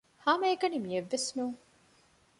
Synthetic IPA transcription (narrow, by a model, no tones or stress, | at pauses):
haːmɐeɡɐnimijeʋːesnuːŋ